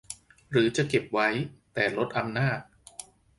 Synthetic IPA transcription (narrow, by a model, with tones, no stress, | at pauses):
ɾɯː˩˦t͡ɕa˨˩ke˨˩p̚wa˦˥jt̪ɛː˨˩lo˦˥t̪̚ʔa˧mnaː˥˩t̪̚